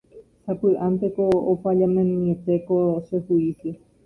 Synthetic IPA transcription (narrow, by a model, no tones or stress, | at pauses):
hapɨʔãnt̪ekoːfaʎamẽnĩet̪ekoʃesuise